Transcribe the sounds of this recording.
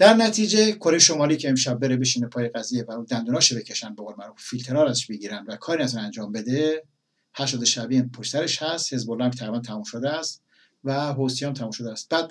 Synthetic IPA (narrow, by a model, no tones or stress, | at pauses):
d̪̥æɾnæt̪ʰiːd͡ʒe̞kʰoɾe̞jeʃomɒːliːcʰeemʃæbːe̞ɾebeʃiːnepʰɒːjeɣæzijevæɾuːd̪ænd̪uːnɒːʃebecʰeʃænd̪beɣolmæɾuffilt̪ʰe̞ɾɒːɾæzeʃbeɡiːɾænd̪vækʰɒːɾinæzɔnænd͡ʒɒːmbe̞d̪e | hæʃt̪ɒːd̪oʃæbiːnpʰoʃsæɾeʃhæst̪he̞zbolːɒhmʲt̪ʰæɣɾibænt̪ʰæmumʃod̪eæst̪ | væɦosijɒmt̪ʰæmuːmʃod̪eæst̪̚bæd̪̥